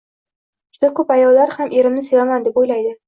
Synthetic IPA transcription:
d͡ʒ̥ʊd̪akʰɵpajɒlːaɾhamʔe̞ɾɪmnɪsevamand̪e̞pojlajd̪ɪ

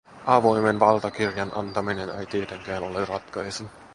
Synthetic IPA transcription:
ʔɑʋojmenʋɑlt̪ɑkirjɑnʔɑnt̪ɑminenḛjt̪iet̪eŋkæːnolerɑt̪kɑjsen

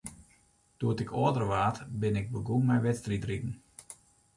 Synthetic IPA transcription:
d̥uətɪkʰoədərəʋaːtbɪnɪɡ̚bəɡunmɛjʋɛtstritrikn̩

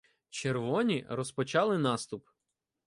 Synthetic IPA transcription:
t͡ʃerʋɔnʲirɔspɔt͡ʃɑlˠɪnɑst̪ʊp

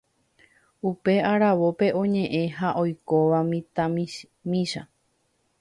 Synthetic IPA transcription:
upe̞aɾaʋo̞pe̞ʔõ̞ɲẽ̞ʔẽ̞ɦaʔo̞jko̞ʋamĩt̪a | mĩʃa

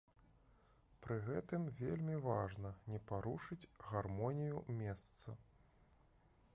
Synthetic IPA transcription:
pɾɨɣɛt̪ɨmvʲelʲmʲivaʐnɐnʲɛpaɾuʂɨd͡zʲɣarmɔnʲijumʲɛst̪sɐ

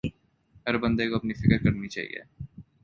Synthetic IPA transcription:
ɦɐɾbɐ̃nd̪ekoɐpnifɪkɾkɐɾnit͡ʃa̰ːɦḭjḛː

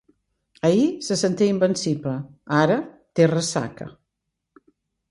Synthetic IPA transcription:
əisəsənt̪iimbənsipləaɾə | t̪erəsa̰kə̰

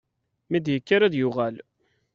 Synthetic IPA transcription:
mid̪jəkːaɾæðjʊʁæl

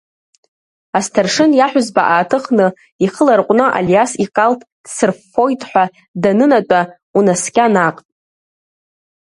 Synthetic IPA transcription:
astʰarʂɨnjaħʷᶣʊzbaʔaːtʰɨχnɨ | iχəlarqʷʼnɨʔa̰ljasiqʼaltʼ | d̥sɨrfojtʼħʷa | danɨnatʷʼa | unaskʲʼanaqʼ

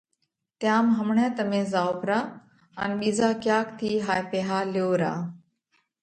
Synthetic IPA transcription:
t̪jaːmɦəmɳẽːt̪əmẽːzaːʊkɾaː | ə̰nɓiːzaːkjaːkt̪ʰiːɦaːjpeːɦaːljoːɾa̰ː

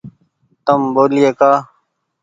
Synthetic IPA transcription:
t̪əmboːliːekaː

